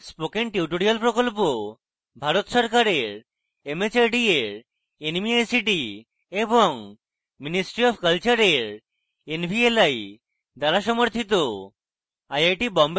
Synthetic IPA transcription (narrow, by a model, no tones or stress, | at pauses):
spokenʈiwʈoɾialpɾokolpo | bʱaɾot̪ʃɔɾkaɾeɾ | emet͡ɕaɾɖieɾ | enmiajsiʈi | eboŋ | minisʈɾiɔbkəlt͡ɕaɾeɾ | enbʱielaj | d̪aɾaʃɔmoɾt̪ʰit̪o | ajajʈibɔmb